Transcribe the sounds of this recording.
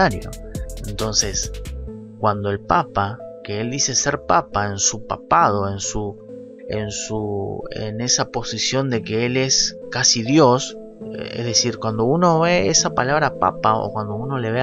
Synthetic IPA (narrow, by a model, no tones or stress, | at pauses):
aɾjo̰ent̪o̞nses | kwand̪o̞e̞lpapakeeld̪ise̞se̞ɾpapaensupapað̞o̞e̞nsu | ensuḛne̞sapo̞sisjo̞nd̪e̞keele̞skasiðjo̞s | ḛhðe̞siɾkwand̪o̞uno̞βe̞esapalaβ̞ɾapa̰pao̰kwand̪o̞uno̞le̞βe